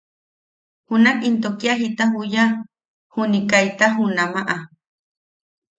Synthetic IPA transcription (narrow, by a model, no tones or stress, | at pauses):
hunakint̪okjaɦit̪aɦuja | hunikajt̪aɦunamaʔa